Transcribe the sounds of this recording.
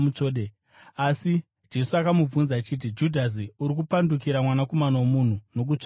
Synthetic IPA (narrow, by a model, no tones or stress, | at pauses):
ut͡ʂoːɗe | asi | d͡ʒe̞suakamuvunzat͡ʃit̬id͡ʒudʱas̬iuɾik̬upandukiɾamwanako̞manawomun̤uno̞k̬ut͡ʂ